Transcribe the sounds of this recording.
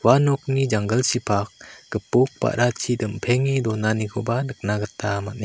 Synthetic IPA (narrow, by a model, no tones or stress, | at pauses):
wanɔk̚nid͡ʒaŋɡəlsipʰak̚ɡ̥əpuk̚pa̰ʔɾat͡ʃʰidɯmpʰeŋidɔnaniɡʰɔbanɯk̚naɡətʰːamat̚ne